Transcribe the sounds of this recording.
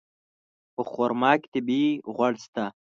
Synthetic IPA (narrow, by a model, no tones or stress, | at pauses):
pəχoɾmɑːkt̪ibiʁwaɽst̪a